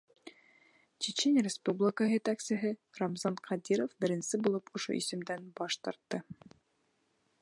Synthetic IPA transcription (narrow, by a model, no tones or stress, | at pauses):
t͡ɕet͡ɕenʲrʲɪspublʲɪkəɦjɘt̪æksɘ̆ɦɘromzɑnqʰɑd̪ʲiɾofbɘ̆ɾɘ̆nsɘbulˠɤpŏʃo̰ʔḭsɵ̆md̪ænbɒʃt̪ɑɾt̪ːɤ